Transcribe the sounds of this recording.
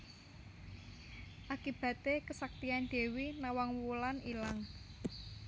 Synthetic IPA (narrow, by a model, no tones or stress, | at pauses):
ʔakib̥ä̤t̪ekəsak̚t̪ianɖ̪̥e̤winawaŋwulanilaŋ